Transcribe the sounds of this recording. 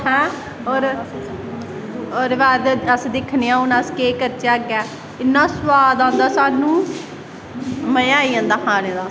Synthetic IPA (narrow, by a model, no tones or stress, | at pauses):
hɛ̃ː | ɔːɾ | ɔːɾʋaːd̪əsd̪ɪkʰneːãːʊnaskeːkəɾt͡ʃaːɡjɛː | ɪnːãːsʋaːd̪ãːnd̪aːsaːnũː | məjaːiːãːnd̪aːɦaːɾẽːd̪aː